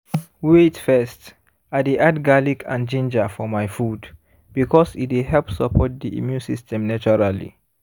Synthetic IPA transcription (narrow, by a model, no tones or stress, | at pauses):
wetfɛst | adiʔadɡalikʰã̰nd͡ʒĩnd͡ʒafɔmaɪfud | b̥ikʰɔsitweɦɛlpsəpʰɔt̚diḭmjũnsistʰɛ̃mnat͡ʃɔɹalḭ